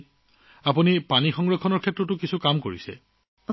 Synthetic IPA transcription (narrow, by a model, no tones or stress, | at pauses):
apunipanixɔŋɹɔkʰːɔnɔɹkʰɛtːɹɔtʊkisʰukamkoɹḭsɛ̰